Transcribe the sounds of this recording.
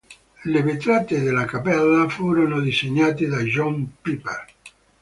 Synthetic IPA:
levet̪ɾat̪ed̪elakapɛlːafuːɾonod̪iseɲːaːt̪ed̪aʒɔmpipḛr

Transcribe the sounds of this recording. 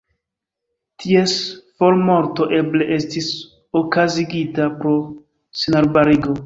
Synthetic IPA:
tʰiesfolmo̞ɾto̞ʔe̞ble̞ʔe̞stis | okaziɡitapɾo̞ | senaɾbaɾiɡo̞

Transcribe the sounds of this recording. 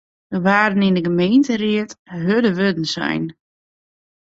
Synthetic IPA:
dəʋaːdənɪndəɡəmejntərɪətɦødəʋødən̩sɛ̰jn

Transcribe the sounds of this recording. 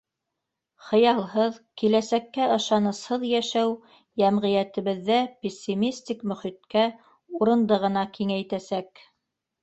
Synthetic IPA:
χɤ̆jɑlˠɦɤðkilæsækːæɤ̆ʃɑnɤ̆shɤðjæʃæw | jæmʁĭjæt̪ɘ̆βɘ̆ðːæpʲesʲːimʲisʲt̪ʲikmɵ̆χit̪kæ | uɾɤ̆nd̪ɤʁɤ̆nɑkiŋæjt̪æsæk

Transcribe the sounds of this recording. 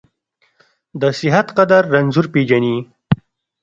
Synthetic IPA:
d̪əsɪɦat̪qad̪aɾːanzuɾped͡ʒani

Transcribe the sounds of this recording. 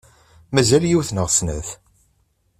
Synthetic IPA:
mæzæljiwθnəʁsnə̰θ

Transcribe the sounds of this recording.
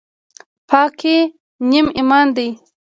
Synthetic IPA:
pʰɑːke | nimimɑnd̪aj

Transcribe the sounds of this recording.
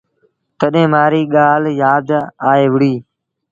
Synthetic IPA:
t̪əɗɦẽːmaːɾiːɠaːljaːd̪aːeːʋɪɽiː

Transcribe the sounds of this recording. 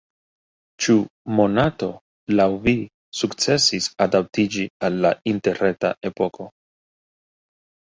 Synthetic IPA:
t͡ʃumo̞nato̞ | lawvi | sukt͡se̞sisadap̚tid͡ʒialːainte̞ɾeta̰ʔe̞po̞ko̞

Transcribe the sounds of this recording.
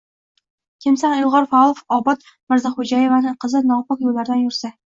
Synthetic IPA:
kʲʰɪmsanɪlˠʁɑɾfaɒlˠofɒbɒt̪ | mɪɾzaχʊd͡ʒajevanɪqʰɨzɪnɒpɨqjolːaɾd̪anjʊɾsa

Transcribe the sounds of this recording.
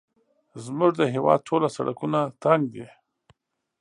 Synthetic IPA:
zmʊʐd̪əɦewɑ̰d̪̚ʈʰolasa̰ɽakunat̪aŋɡ̚d̪e

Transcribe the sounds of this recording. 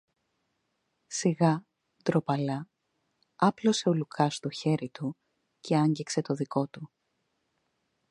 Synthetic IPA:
siɣɐ | d̪̥ɾo̞pɐlɐ | ɐplo̞se̞o̞lukʰɐst̪o̞çe̞ɾit̪u | cʰe̞ɐɲɟikse̞t̪o̞ðiko̞t̪u

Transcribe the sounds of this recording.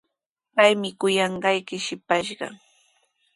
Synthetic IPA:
pajmɪkʊjɑɴɢɑjkɪʃɪpaʃɢɑ̰

